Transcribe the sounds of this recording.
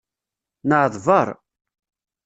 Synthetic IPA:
nəʕðˤvəɾˤ

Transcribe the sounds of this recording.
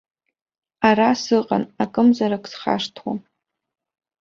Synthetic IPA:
aɾasɨqʼa̰nakʼɨmzaɾakʰʼsχa̰ʂtʰwa

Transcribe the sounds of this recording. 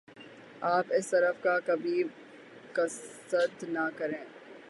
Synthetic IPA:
aːpɪst̪ɐɾəfkakɐbʱi | kɐs | əd̪nakɐɾẽː

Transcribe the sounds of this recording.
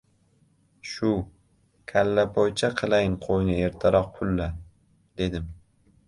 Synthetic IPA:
ʃʊ | kʲʰalːapʰɒjt͡ʃʰaqʰɨlˠajɪɴqʰojnɪe̞ɾt̪ʰaɾɒq̚pʰʊlːa | d̪e̞d̪ɪm

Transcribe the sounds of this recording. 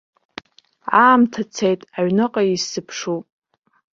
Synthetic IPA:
aːmtʰat͡sʰejtʼaɥnɨqʼaisɨpʰʂupʼ

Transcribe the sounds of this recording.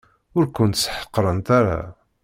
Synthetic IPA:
ʊɾkʊnt̪sːħə̥qːɾˤənt̪aɾa̰

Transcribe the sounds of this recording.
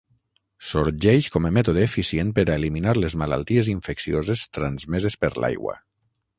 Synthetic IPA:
soɾʒɛʃkɔmemɛt̪oðeːfisjen̚peɾaeliminaɾlezmala̰lˠt̪ieziɱfeksiozest̪ɾanzmezespəɾla̰jɣwa̰

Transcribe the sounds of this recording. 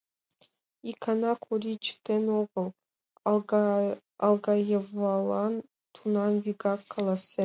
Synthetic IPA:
ikʰanɑkʷʰurit͡ʃʰt̪ʰenoʁəlˠ | alˠɡɑjevɑlˠɑn | t̪ʰunɑnviɡɑkʰːalˠase

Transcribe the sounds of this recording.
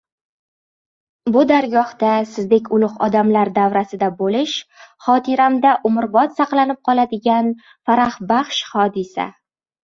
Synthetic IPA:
bʊd̪aɾɡɒhd̪asɪzd̪ekʲʰʊlˠʊqɒ̰d̪amlaɾd̪avɾasɪd̪abolɪʃχɒt̪ʰɪɾamd̪aʔʊmʊɾbɒt̪sɑqlˠanɪp̚qʰɒlˠad̪ɪɡʲan | faɾahbaχʃχɒd̪ɪsa̰

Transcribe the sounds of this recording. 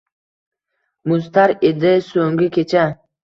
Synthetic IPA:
mʊzt̪ʰaɾed̪ɪsoŋɡʲikʰʲet͡ʃʰa

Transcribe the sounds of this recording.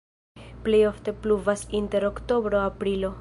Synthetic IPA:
ple̞jo̞fte̞pluvasinte̞ɾo̞kto̞bɾo̞apɾilo̞

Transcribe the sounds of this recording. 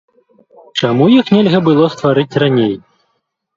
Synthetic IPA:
t͡ʂamujixnʲɛlʲɣɐbɨlˠɔst̪vaɾɨt͡sʲranʲej

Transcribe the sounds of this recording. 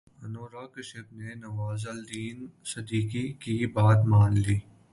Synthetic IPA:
ɐnoːɾaːkəʃɪbnenɐʋaːzəld̪iːnsɐd̪iːkikibaːt̪maːnliː

